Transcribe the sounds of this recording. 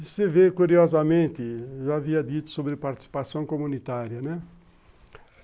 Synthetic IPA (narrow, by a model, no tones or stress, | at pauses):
sɪvekuɾiɔzɐmẽnt̪ɪʒaaviɐd̪it̪ʊ̥sobɾɪpaɾt̪i̥si̥pasɐ̃w̃komũnit̪aɾjɐnɛ